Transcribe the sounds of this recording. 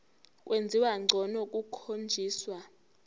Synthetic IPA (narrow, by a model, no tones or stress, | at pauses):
k̬ʼwʔend͡zʱiwaŋ͡ǀʱɔnɔk̬ʼukʰond͡ʒʱiːswa